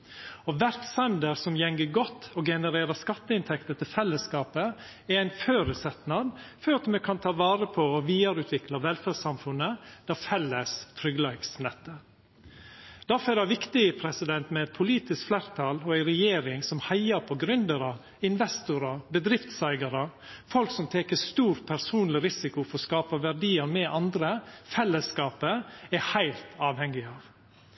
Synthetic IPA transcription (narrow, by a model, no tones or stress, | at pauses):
ɔʋæɾt̪sɛnd̪əɾsɔmjɛŋɡəɡɔt̪ːɔɡɛnəɾeːɾəskɑt̪ːəɪnt̪ʰɛkt̪ət̪ʰɪlfɛlːəskɑːpə | æɾæɪnføːɾəsɛt̪nɑd̪fɔɾɑt̪mɛkʰɑnt̪ʰɑːʋɑːɾəpʰɔːʋiːɑɾʉːt̪ʰʋɪklɑʋɛlfæsɑmfʉnːəd̪̥ɑːfɛlːəst̪ʰɾʏɡlɑɡsnɛt̪ːə | d̪̥æɾfɔɛɾd̪æʋɪkt̪ɪəpʰɾɛsɪd̪ɛnt̪mɛɛt̪̚pʰʊliːt̪ɪskflæɾt̪ʰɑːlɔæɪɾɛjeːɾɪŋsɔmhæɪɑpʰɔɡɾʉnd̪əɾɑ | ɪnʋɛst̪ʊɾɑbəd̪ɾɪft̪sæɪɡɑɾəfɔlksɔmt̪ʰeːkəst̪uːɾpʰæɾsuːnlɪɾɪsɪkʊfɔɾɔskɑːpɑʋæɾɖiːəɾmɛʔɑnd̪ɾəfɛlːəskɑːpəæhæɪlt̪ʰɑːʋhɛŋːɪɑːʋ